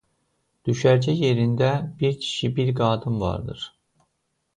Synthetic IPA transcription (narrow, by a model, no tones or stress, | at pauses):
d̪̥yʃæɾd͡ʒæje̞ɾind̪æbiɾcʰi̥ʃibiɾɡɑːd̪ɯmvɑ̰ɾd̪ɯ̰ɾ̥